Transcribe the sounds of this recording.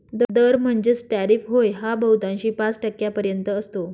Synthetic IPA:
d̪d̪əɾm̤əɳd͡ʑet͡sʈæɾifɦojɦabəwt̪ãɕiːpãt͡sʈəkːjapəɾjənt̪əːst̪o

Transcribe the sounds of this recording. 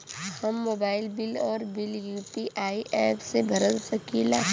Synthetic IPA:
hɐmːoːbaːɪlbɪlɔːɾbɪljuːpiʔaːiʔɛːpsebʱɐɾəlsəkila̰ː

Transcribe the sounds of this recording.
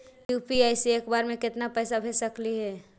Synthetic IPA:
juːpiaɪsieːkbaːɾmẽkɪt̪napɛɪsabʱesəkliɦɛː

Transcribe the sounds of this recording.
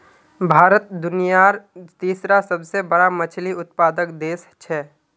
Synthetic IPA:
bʱaːɾət̪̚d̪ʊnijaɾt̪iːsɾasəbsebəɽamət͡ʃʰliʊt̪̚paːd̪əkd̪eːst͡ʃʰɛː

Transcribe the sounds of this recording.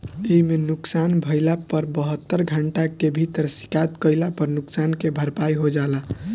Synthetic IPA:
eimenuksanbʱəɪlapəɾbəɦət̪ːəɾɡʱəɳʈakebʱit̪əɾsi̥kat̪kəjlapəɾnuksankebʱəɾpajɦod͡ʒala

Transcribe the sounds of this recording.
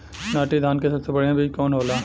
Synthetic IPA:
naːʈid̪ʱaːnkesɐbsebɐɽ̤eãbʱiːd͡ʒkɔːnɦoːlaː

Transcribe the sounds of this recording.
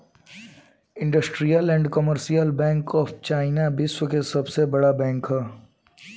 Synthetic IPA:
ɪ̃ɳɖəsʈɾijəlɛ̃ːɳɖkɔməɾsijəlbɛ̃ːŋkɔːft͡ʃaːɪnabɪswəkesɐbsebɐɽabɛ̃ːŋkɦɛː

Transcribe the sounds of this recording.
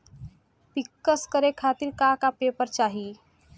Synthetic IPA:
pikːəskəɾekʰat̪iɾkakapepəɾt͡ʃaːɦi

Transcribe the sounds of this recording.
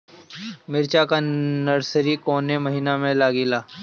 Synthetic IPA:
mɪɾt͡ʃakanəɾsəɾikoːnemɐɦiːnamẽlaːɡilaː

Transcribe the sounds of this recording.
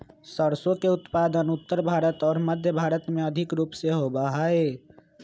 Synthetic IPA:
səɾsõkeʊt̪paːd̪ənʊt̪ːəɾbʱaːɾət̪ɔːɾməd̪ʱjəbʱaːɾət̪mẽəd̪ʱɪkɾuːpseɦobaɦae

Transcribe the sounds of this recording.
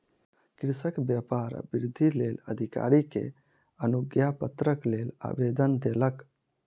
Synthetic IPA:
kɾɪsəkbjapaːɾ̰bɪɾd̪ʱileːlə̰d̪ʱika̰ːɾikḛ | ənʊɡjapət̪ɾəkleːla̰ːbeːd̪ənd̪eːlək

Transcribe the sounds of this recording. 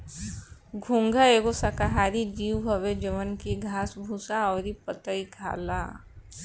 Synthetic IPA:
ɡʱũŋɡʱaeːɡosakaɦaːɾid͡ʒiːwɦəʋed͡ʒəʋənkiɡʱaːsbʱusaɔːɾipət̪əikʰa̰ːla̰ː

